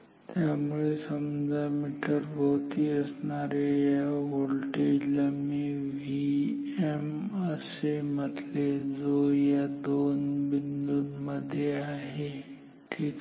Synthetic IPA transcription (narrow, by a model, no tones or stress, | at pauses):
t̪jamuɭesəmd͡ʒʱamiʈəɾbʱəɦut̪iəsnaɾejaʋolʈeləmiʋieməsemət̪led͡zojad̪oːnbind̪unməd̪ʱjeaːɦe | ʈʰiːk